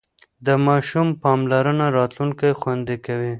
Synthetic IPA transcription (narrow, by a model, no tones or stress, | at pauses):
d̪əmɑʃumpɑmlaɾənaɾɑt̪luŋkajxwand̪ekawi